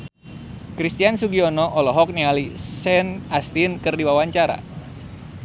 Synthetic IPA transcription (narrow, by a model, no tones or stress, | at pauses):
kɾist̪iansuɡiɔnɔʔɔlɔɦɔk̚nialisɛnast̪inkɨrdiwawaɲt͡ʃaɾa̰